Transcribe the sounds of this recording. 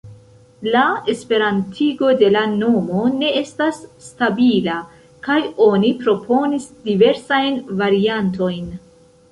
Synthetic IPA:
lae̞spe̞ɾantʰiɡo̞de̞lano̞mo̞ne̞e̞stasːtabila | kajo̞nipɾo̞pʰo̞nisdive̞ɾsajnvaɾiant̬o̞jn

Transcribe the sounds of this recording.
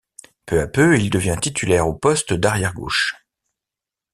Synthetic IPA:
pøapøild̪əvjɛ̃t̪it̪ʰylɛʁopɔst̪d̪aʁjɛʁɡo̰ːʃ

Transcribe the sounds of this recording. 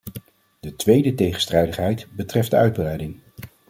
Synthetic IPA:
d̥ətʋejdətejχən̩strɛjdəχɦɛjtbətrɛfdəœɥd̚brɛjdɪŋ

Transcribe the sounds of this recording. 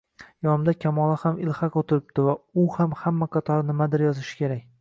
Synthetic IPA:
jɒnɪmd̪akʲʰamɒlˠahamɪlˠhaqot̪ʰɪɾɪp̚d̪̥ɪvaʊhamhamːaqʰɑt̪ʰɒɾnɪmad̪ɪɾjɒzɪʃɪ̥kʲʰe̞ɾak̚ʲ

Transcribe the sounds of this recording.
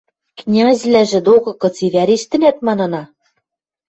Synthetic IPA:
knʲɑzʲlæʒɘ̆d̪okɤ̆kɤ̆t͡siβʲæɾiʃt̪ɘ̆næt̪mɑnɑ̆nɑ

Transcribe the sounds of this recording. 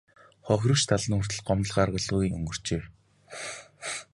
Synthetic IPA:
χɔxʲrɵ̆kt͡ɕt̪ʰaɮə̆nxur̥t̪ɘ̆ɮɢɔmə̆ɮʁaːrʁə̆ɮuːɣiːŋɵ̰ŋɡɵ̆r̥t͡ɕeːw

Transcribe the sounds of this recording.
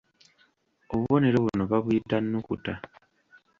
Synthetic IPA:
o̞βuβo̞ne̞ɾo̞βuno̞βaβujitanːukuta

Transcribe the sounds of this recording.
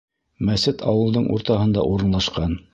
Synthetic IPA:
mæsɘt̪ʰɑ̰wɤ̆lˠd̪ɤɴʔṵɾt̪ɑɦɤ̆nd̪ɑ̰ʔuɾɤ̆nlˠɑʃqɑn

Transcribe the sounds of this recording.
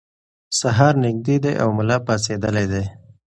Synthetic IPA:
saɦɑɾnɪɡ̚d̪ed̪ḛʔa̰wmʊlɑpɑsed̪əlajd̪ej

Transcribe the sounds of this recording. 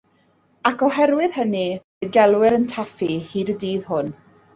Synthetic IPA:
akʰɔɦɛɾwɪðhəni | ɡɛlˠwɪɾəntʰafihiːdədiːðhʊn

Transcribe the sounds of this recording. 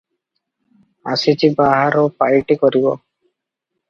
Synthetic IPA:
a̰sit͡ʃibaɦaɾopajʈikɔɾibɔ̰

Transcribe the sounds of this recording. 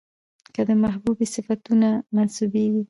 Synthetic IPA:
kəd̪əmaɦbubisɪfat̪unamansubeɡi

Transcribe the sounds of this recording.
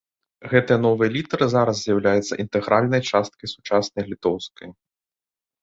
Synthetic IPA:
ɣɛt̪ɨjɐnɔvɐjɐlʲit̪ɐɾɨzaɾɐzzʲjɐwlʲajɛt̪sːɐ̰ʔint̪ɛɣɾalʲnɐjt͡ʂast̪̚kɐjsu̥t͡ʂasnɐjlʲit̪ɔwskɐj

